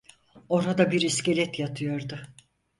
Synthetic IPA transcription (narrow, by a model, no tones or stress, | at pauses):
o̞ɾad̪abiɾiscʲelʲɛt̪jat̪ʰɯjoɾd̪ʊ